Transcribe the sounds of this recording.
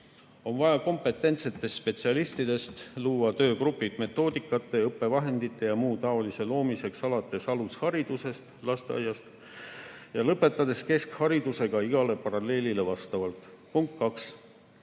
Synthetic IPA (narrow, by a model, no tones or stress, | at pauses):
o̞nvɑjɑko̞mpˑe̞t̪ːˑe̞nt̪se̞t̪ːˑe̞st̪ːspe̞t̪siɑlist̪id̪̥e̞st̪luːɑt̪øːkrupːˑid̪̥me̞t̪ːˑo̞ːd̪ikːˑɑt̪ːˑe̞ɤpːˑe̞vɑɦe̞nd̪̥it̪ːˑe̞jɑmuːt̪ɑolise̞lo̞ːmise̞ksɑlɑt̪ːˑe̞sɑlushɑɾid̪̥use̞st̪lɑst̪eɑ̰jːɑst̪ | jɑlɤpːˑe̞t̪ːˑɑd̪e̞ske̞skhɑɾid̪̥use̞ɡ̥ɑiɡ̥ɑle̞pɑɾɑle̞ːlile̞vɑst̪ɑvɑlt̪ˑpuŋk̚t̪kːɑks